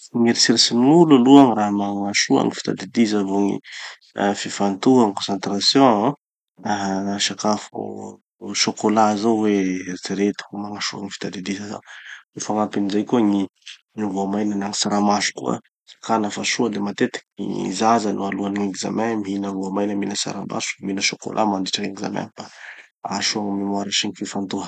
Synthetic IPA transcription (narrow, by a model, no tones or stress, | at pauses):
ŋiɾisiɾisimnulaluaŋiraɦmaŋaʃua̰ŋifi̥t̪a̰d̪ed̪izavoŋḭ | fifant̪uaŋkɔ̃sant̪ɾasjɔ̃ | aɦʃakafṵ | ʃokolazowet͡siɾet̪i̥umaŋaʃuaŋifi̥t̪ad̪ed̪izaza̰ifaŋapinizajkuəŋi | ŋivuamajnanaŋisaɾamasu̥kua̰ | sḁkanəfaʃuəd̪emat̪et̪i̥kḭzazanʔualuaniŋiɡiza̰mamiinəvuamajnəminəsa̰ɾama̰su̥minəʃoko̰lʔa̰mand̪iʈ͡ʂaŋiŋiza̰ma̰nba | aʃuaŋmimaɾaʃiŋififand̪uə